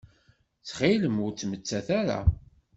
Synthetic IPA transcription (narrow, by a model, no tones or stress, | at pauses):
t͡sχiləmʊɾt͡sːmət͡sːæθæɾa̰